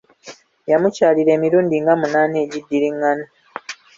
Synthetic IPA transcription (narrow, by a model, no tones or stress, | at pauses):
jamucaːliɾe̞ːmiɾuːndiŋɡamunaːneːɟidːiɾiŋːana